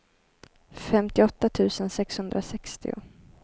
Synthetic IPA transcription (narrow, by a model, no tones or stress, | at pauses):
fɛmt̪ɪɔt̪ːat̪ʰʉ̟ːsənsɛkshɵnd̪ɾʔasɛkst̪ɪ̰ʊ̰